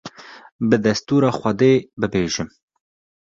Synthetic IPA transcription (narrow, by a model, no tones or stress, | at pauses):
bɨd̪ɛst̪uːɾɑːxʷɐd̪eːbɨbeːʒɪm